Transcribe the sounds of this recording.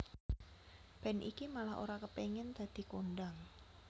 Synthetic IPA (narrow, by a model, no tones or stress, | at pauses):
b̥ɛnʔḭkimalaɦʔo̰ɾakəpeŋɛnd̪̥a̤d̪̥i̤konɖaŋ